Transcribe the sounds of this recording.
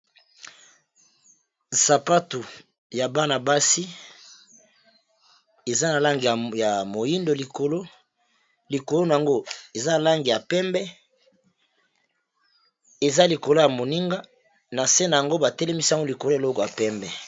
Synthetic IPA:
sa˨pa˦tu˨ | ja˨ba˦na˨ba˦si˦ | e˨za˦na˨la˦ŋɡi˨a˨ja˨mo˨ji˦ndo˨li˨ko˨lo˦ | li˨ko˨lo˦na˨a˨ŋɡo˦e˨za˦na˨la˦ŋɡi˨ja˨pɛ˦mbɛ˦ | e˨za˦li˨ko˨lo˦ja˨mo˨ni˦ŋɡa˦ | na˨se˦na˨ja˨ŋɡo˦ba˨tɛ˦lɛ˦mi˦si˦a˦ŋɡo˦li˨ko˨lo˦e˨lo˦kɔ˨ja˨pɛ˦mbɛ˨

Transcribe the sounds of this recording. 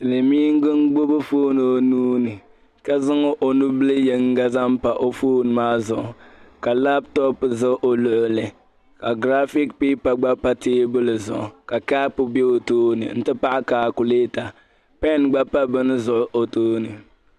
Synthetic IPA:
tɨ˨lɨ˨miː˦ŋ˦ɡɨ˦nɡ͡bo˦bɨ˦foː˦nɨ˨o˨nuː˦nɨ˨ | ka˦zɨ˦ŋo˦ʔo˨nu˦bɨ˦lɨ˦jɛ˨ŋ˦ɡa˦za˦m˦pa˨ʔo˦foː˦nɨ˨maː˦zʊ˨ʔʊ˨ka˨la˦btɔ˦pzɨ˦ʔo˨lʊ˨ʔʊ˦lɨ˨ | ka˨ɡɾa˦fi˦kpiː˦pa˨ɡ͡ba˦pa˦teː˦bɨ˦lɨ˨zʊ̰˨ʔʊ̰˨ka˨ka˦pʊ˨be˦o˨toː˦nɨ̰˨n̩˦tɨ˦pa˦ʔɪ˦kaː˨ku˨leː˦ta˨ | pɛ˦˨nɡ͡ba˦pːa˦bɨ˦nɨ˦zʊ˨ʔʊ˦ʔo˨toː˦nɨ˨

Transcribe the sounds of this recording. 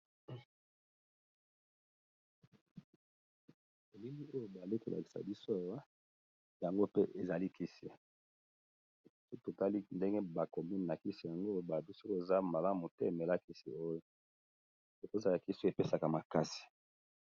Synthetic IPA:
e˨li˦ŋɡi˦o˦jo˨ba˨li˦ko˨lʔa̰˨ki̥˨sa̰˨bi˦so˦a˨wa˦ | ja˨ŋɡo˦pe˦ʔe˨za˨li˦kʰi˦si˦˨˦ | so˦kto˨ta˦li˦nde˦ŋɡe˦ba˨kɔ˨mi˦nna˨ki˦si˨ja˨ŋɡo˦˨˦ba˨bi˦so˦ko˦e˨za˦ma˨la˦mu˨te˦˨me˨la˦ki˦sḭ˨o˦jo˨ | so˨ko˦˨za˨la˨ki˦se˨pe˦sa˨ka˨ma˨ka˦si̥˨

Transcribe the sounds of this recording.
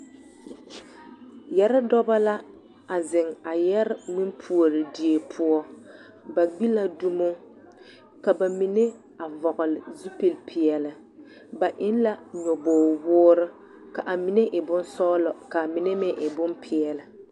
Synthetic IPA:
jɛ˦ɾɪ˦dɔ˦ba˦la˦ | a˨zɪ˨ŋa˨jɛ˦ɾɪ˦mi˦m˦pʰu˨o˨ɾɪ˨di˨e˨pʰʊ˦ɔ˦ | ba˨ɡ͡bi˦la˦du˦mʊ˦ | ka˨ba˨mi˨ne˦ | a˨vɔ˨ɣʊ˨lɪ˨zu˦pe˨lpʰɪ˨ɛ˨lɪ˨ | ba˨ʔɪ˦n˦la˦ɲɔ˨boː˨wʊː˦ɾɪ˦ | ka˨ʔa˨mi˨ne˦ʔɪ˨bʊ˦nsɔ˦lɔ˨ka˨mɪ˨ne˦mɪ˨ʔɪ˨bʊ˦npʰɪ˨ɛ˨lɪ˨

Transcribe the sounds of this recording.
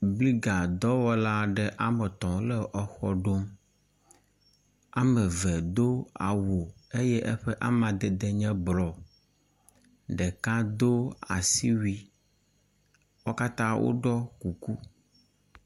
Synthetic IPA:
bli˦ɡa˨d̪ɔ˦wɔ˦la˦ɖɛ˦ʔa˦mɛ˨t̪ɔ̃˨lɛ˦ʔɔ˦xɔ˨ɖo˦m | a˦mɛ˨vɛ˨d̪o˦a̰˨wo˨e˦jɛ˦ʔɛ˦ɸɛ˦ʔa˦mã˨d̪ɛ˨d̪ɛ˨ɲɛ̃˦blɔ˨ | ɖɛ˨kã˦d̪o˦a̰˨si˦wi˦ | wɔ˦ka˦t̪ã˦wʔo̰˦ɖɔ˦ku˨ku˦

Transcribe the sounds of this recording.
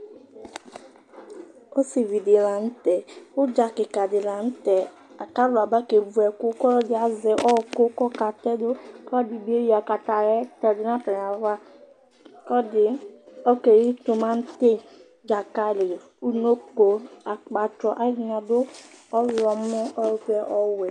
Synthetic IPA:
o˦si˨vi˨di˨la˨n̩˦tɛ˨ʊ˦d͡ʒa˨kɪ˨ka˨dɪ˨la˨n̩˦tɛ˨ | a˨ka˦lʊ˨a˨ba˦ke˨vu˨ɛ˨kʊ˦kɔ˦ɾɔ˦dɪ˨a˨zɛ˨ʔɔ˦˨kʊ˦kɔ˦ka˨tɛ˦dʊ˦ka˦di˨bi˦e˦ji˦a˨ka˨ta˨ɾɛ˦tɛ˨dɪ˨n˦a˦tɔ˨ɾa˨ɾa˦ | kɔ˦dɪ˨ɔ˦ke˨ɾi˦tʊ˨ma˦n̩˦te˦ | d͡ʒa˨ka˦lɪ˨ | u˦no˦ko˨a˨k͡pa˨t͡ʃɔ˨ʔa˦dna˨dʊ˦ɔ˦lɔ˨m̩˦ʊ˦ɔ˦ɾkɛ˦ʔɔ˦wɛ˨

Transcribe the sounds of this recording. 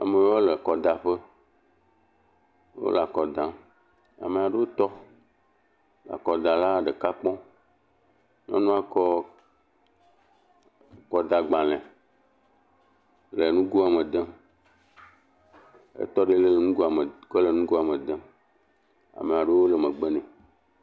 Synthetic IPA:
a̰˨me˨wo˦le˨kɔ˨d̪a˨ɸe˦ | wo̰˦la˨kɔ˨d̪ã˨ | a̰˨me˨a˨ɖe˦wo˦t̪ɔ˦ | la̰˨kɔ˨d̪a˨la˦ɖe˨ka˦k͡pɔ̃˦ | m˦ã̰˦nũ˦a˨kɔ˦ | kɔ˨d̪a˨ɡ͡bã˨lɛ̃˨ | le˨nũ˦ɡu˦a˨mẽ˨d̪ɛ̃˦ | ḛ˦t̪ɔ˦ɖe˦le˨le˨nũ˦ɡu˦a˨me˨kɔ˦le˨nũ˦ɡu˦a˨mẽ˨d̪ẽ˦ | a̰˨me˨a˨ɖe˦wo˦le˨mẽ˨ɡ͡be˦nɛ̃˨

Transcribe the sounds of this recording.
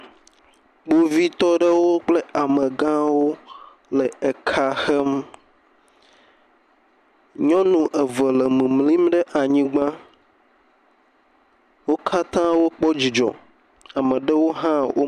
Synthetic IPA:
ɡ͡bo˦vi˦t̪ɔ˦ɖə˦wo˦k͡ple˦a˨mẽ˨ɡã˦wo˦ | lɛ˨e˨kʰa˦xɛ˦m | ɲɔ̃˦nũ˨ʔɛ˨və˨lɛ˨mĩ˨mlĩ˦mɖɛ˦ʔa˨ɲĩ˦ɡ͡bã˦ | wo˦kʰa˦t̪ã˦wo˦k͡pɔ˦d͡ʑi˨d͡ʒɔ̰˨ | a˨mɛ̃˨ɖə˦wo˦ɦã˦wʔo̰˦

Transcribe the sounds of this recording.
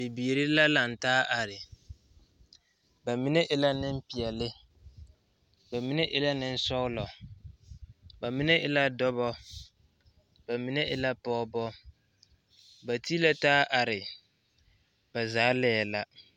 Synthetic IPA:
bi˨biː˨ɾi˦la˦la˨n˨taː˦ʔa˨ɾɪ˨ | ba˨mi˦ne˦ʔɪ˦la˦nɪ˦m˦pi˨ɛ˨lɪ˦ | ba˨mi˦ne˦ʔɪ˦la˦nɪ˦n̩˦sɔ˦ʊ˦lɔ˨ | ba˨mi˦ne˦ʔɪ˦la˦dɔ˦βɔ˦ | ba˨mi˦ne˦ʔɪ˦la˦pɔː˦bɔ˦ | ba˨ti˦la˦taː˦ʔa˨ɾɪ˨ | ba˨zaː˨˦lɛː˦˨la˦

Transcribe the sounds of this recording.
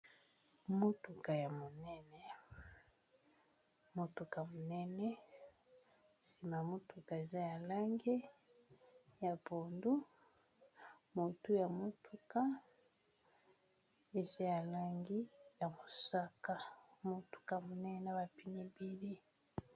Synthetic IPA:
mo˦tu˨ka˨ja˨mo˨nɛ˦nɛ˨ | mo˨tu˨ka˨mo˨nɛ˦nɛ˦ | si˨ma˨mo˦tu˨ka˨e˨za˦ja˨la˦ŋɡe˦ | ja˨bo˨ndu˦ | mo˨tu˦ja˨mo˦tu˨ka˦ | e˨za˦ja˨la˦ŋɡi˦ja˨mo˨sa˦ka˨mo˦tu̥˨ka˨mo˨nɛ˦na˦ba˨pi˨ni˨bi˦li˦

